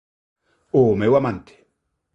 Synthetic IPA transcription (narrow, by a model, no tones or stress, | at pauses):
omewamant̪ʰe̥